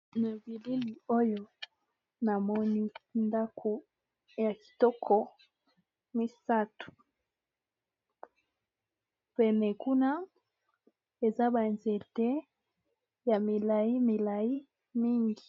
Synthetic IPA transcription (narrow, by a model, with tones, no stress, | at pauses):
na˨bi˨li˦li˨o˦jo˦ | na˨mɔ˦ni˦nda˦kʰo˨ | ja˨ki̥˨tɔ˦kʰɔ˨ | mi˦sa˦tu̥˨ | pɛ˨nɛ˨ku˦na˦ | e˨za˦ba˨nzɛ˨tɛ˦ | ja˨mi˨la˨i˦mi˨la˨i˦ | mi˦ŋɡi˨